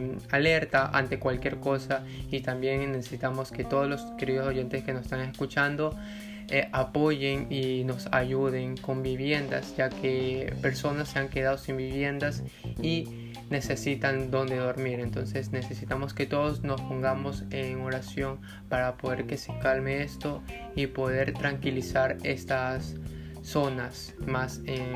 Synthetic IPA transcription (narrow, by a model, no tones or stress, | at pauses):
ale̞ɾt̪aʔa̰nt̪e̞kwalkje̞ɾko̞sa | it̪ambje̞ŋːe̞sesit̪amo̞ske̞t̪o̞ðozlo̞ske̞ɾiðo̞so̞ʝe̞nt̪eske̞nose̥st̪aŋe̞skut͡ʃand̪o̞ | eʔapo̞ʝe̞ŋino̞sa̰ʝuðe̞ŋko̞mbiβje̞nd̪a̰sd͡ʒakʰe̞pe̞ɾso̞nasːe̞aŋke̞ðaðo̞simbiβje̞nd̪as | i | ne̞se̞sit̪and̪o̞nd̪e̞ðo̞ɾmiɾe̞nt̪o̞nse̞sne̞se̞sit̪amo̞ske̞t̪o̞ðo̞sno̞spo̞ŋɡamo̞seŋo̞ɾasjo̞ŋ | paɾapo̞ðe̞ɾke̞sekalmeest̪o̞ | ipo̞ðe̞ɾt̪ɾaŋkilisaɾe̞st̪asː | o̞nas | mase